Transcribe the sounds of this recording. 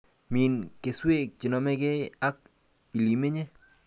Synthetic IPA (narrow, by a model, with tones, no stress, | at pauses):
mi˨nke˨swe˦˨k̚t͡ʃɪ˨nɔ˨mɛ˦kɛ˦a˦k̚ | i˨li˨me˦ɲe˦